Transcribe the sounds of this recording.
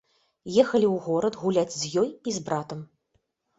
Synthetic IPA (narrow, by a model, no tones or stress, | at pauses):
jɛxɐlʲiwɣɔɾɐt̪ɣulʲad͡zʲzʲjɔjizbɾat̪ɐm